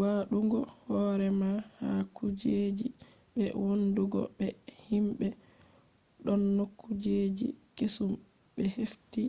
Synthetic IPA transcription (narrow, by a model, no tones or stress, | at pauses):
waɗuŋɡɔhɔɾɛmahakud͡ʒed͡ʒi | bɛ̰wonduɡɔ̰ɓɛhimɓɛ | ɗɔnːokʰːud͡ʒed͡ʒḭ | kesum | bɛhefti